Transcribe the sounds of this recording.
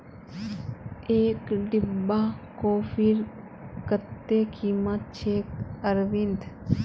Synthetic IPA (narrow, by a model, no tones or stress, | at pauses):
eːkɖɪbːakoːfiɾ | kət̪ːekʰiːmət̪̚t͡ʃeːkəɾʋind̪